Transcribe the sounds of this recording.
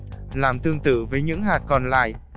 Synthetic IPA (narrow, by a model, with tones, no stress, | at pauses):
laː˨˩mt̪ɨ˧əŋt̪ɨ̰˧˨vəː˨˦jɲɨ̰˧˥ŋɦaː˨˩t̚kɔ˧nla̰ː˧˨j